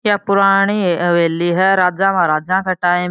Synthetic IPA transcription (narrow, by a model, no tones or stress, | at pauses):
japʊɾaɽ̃iʋeːlːiːɦɛɾaːd͡ʒãmaɾaːd͡ʒãkɐʈaːẽ